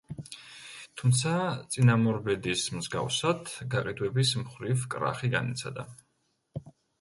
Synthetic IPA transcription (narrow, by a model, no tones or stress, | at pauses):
t̪ʰumt̪sʰat̪sʼinamɔɾbɛd̪ismzɡa̰fsad̪ɡaqʼid̪wɛbismχɾivkʼɾa̰χiɡa̰nit̪sʰa̰d̪a